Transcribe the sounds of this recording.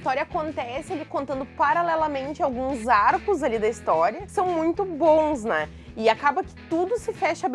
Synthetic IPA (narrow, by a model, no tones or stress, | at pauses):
st̪ɔɾjɐakõnt̪ɛsɪalikõnt̪ɐ̃nd̪ʊpaɾalɛlɐmẽnt͡ʃɪawɡũzaɾkʊzalid̪ɐist̪ɔɾiɐsɐ̃w̃mũj̃t̪ʊbõw̃snɛ | ɪakabɐkɪ̥t̪ud̪ʊsɪfɛʃɐb